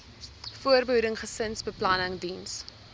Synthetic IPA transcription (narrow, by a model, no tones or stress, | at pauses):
fuərbəɦuɾəŋχəsənsbəplɐnəŋdins